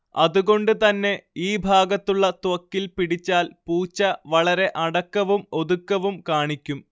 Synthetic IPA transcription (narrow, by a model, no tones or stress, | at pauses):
ɐðuɣo̞ɳɖɨt̪ɐnːe̞iːbʱaːɡɐt̪ːuɭːɐt̪wɐkːilpiɽit͡ɕːaːlpuːt͡ɕːɐʋɐɭɐɾe̞ʔɐɽɐkːɐʋumo̞ðukːɐʋumkaːɳikʲːum